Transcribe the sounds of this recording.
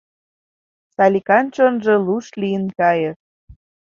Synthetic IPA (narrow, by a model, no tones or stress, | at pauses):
sɑlʲikɑnt͡ɕonʒɤ̆luʃlijənkɑjɤ̆ʃ